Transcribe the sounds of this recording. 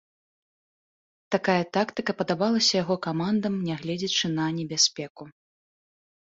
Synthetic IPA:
t̪akajɐt̪akt̪ɨkɐpɐd̪abalˠɐsʲɐjaɣɔkamand̪ɐmnʲɛɣlʲɛd͡zʲɛt͡ʂɨnɐnʲɛbʲasʲpʲɛku

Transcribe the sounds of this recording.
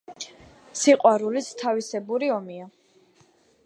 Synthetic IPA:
siqʼwaɾulist̪ʰavisɛbuɾiɔmia

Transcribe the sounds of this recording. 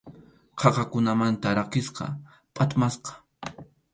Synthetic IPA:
qʰɑqɑkʊnamant̪aɾakɪsqɑ̰ | pʼat̪masqɑ̥

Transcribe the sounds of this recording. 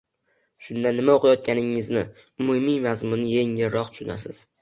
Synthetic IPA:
ʃʊnd̪anːɪmaoqɪjɒt̪̚kʲanɪŋɪznɪ | ʊmʊmijmazmʊnɪjeŋeɾɾɒq̚t̪ʰʊ̥ʃʊna̰sɪ̰z̥

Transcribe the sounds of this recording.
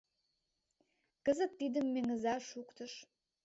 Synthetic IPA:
kəzə̆t̪ːid̪əmːeŋə̆zɑʃukt̪ə̆ʃ

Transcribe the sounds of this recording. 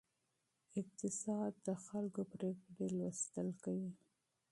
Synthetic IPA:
ɪq̚t̪ɪsɑd̪ːəxalkopɾekɽelwəst̪əlkawi

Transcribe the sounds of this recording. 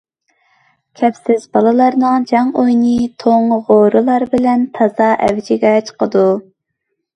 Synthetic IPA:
kʲʰɛpsɪzbɑlˠɨlˠɑɾnɨŋd͡ʒɑŋojnɨt̪ʰoŋʁoɾɨlˠɑɾbɪlɛnt̪ʰɑzɑʔɛ̰wd͡ʒɪɡʲɛt͡ʃʰə̥qʰəd̪u

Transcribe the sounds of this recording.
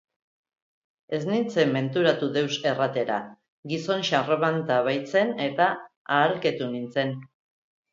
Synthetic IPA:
e̞znint͡se̞mːe̞nt̪uɾat̪uðe̞wse̞rat̪e̞ɾa | ɡiso̞nʃareβant̪aβajt͡se̞ne̞t̪aː | ɾket̪unint͡se̞n

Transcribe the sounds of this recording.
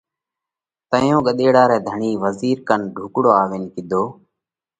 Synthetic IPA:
t̪əjõːɠəɗ̪eːɽaːɾɛːd̪ʱəɳiːʋəziːɾkənɖʱuːkɽoːaːʋeːnkɪd̪ʱoː

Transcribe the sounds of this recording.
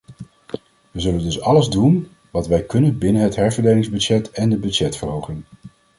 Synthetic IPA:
ʋəzɵləndɵsɑləzdun | ʋɑtʋɛjkɵnənbɪnənɦətɦɛɹvəɹdejlɪŋzbød͡ʒɛtɛndəbʏd͡ʒɛtfəɹɦowχən

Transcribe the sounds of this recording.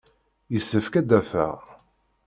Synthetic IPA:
jəsːəfkæd̪æfæ̰ʁ

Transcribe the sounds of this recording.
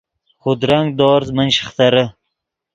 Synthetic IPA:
χʊd̪ɾaŋ̚d̪ɒːɾzmənʃɪ̥χt̪ʰaɾɪ

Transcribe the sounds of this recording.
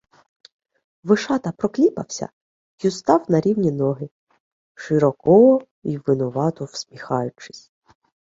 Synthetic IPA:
ʋɪʃɑt̪ɐpɾɔklʲipɐ̰wsʲɐ̰ | just̪ɑwnɐɾʲiwnʲinɔɦɪ | ʃɪɾɔkɔ | iʋɪnɔʋɑt̪ɔwsʲmʲixɑjʊt͡ʃɪ̥sʲ

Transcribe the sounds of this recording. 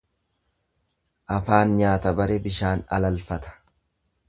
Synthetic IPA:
ʔɐfaːnɲaːt̪ɐbɐɾebɪʃaːnɐlɐlfɐt̪ɐ̥

